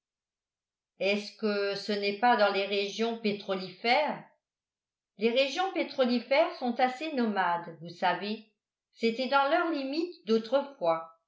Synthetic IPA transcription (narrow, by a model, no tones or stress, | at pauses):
ɛskəsənɛpad̪ɑ̃leʁeʒjɔ̃pet̪χɔlifɛːʁ | leʁeʒjɔ̃pet̪χɔlifɛʁsɔ̃t̪asenɔmad̪vusave | sɛt̪ɛd̪ɑ̃lœʁlimit̪d̪ot̪χəfwa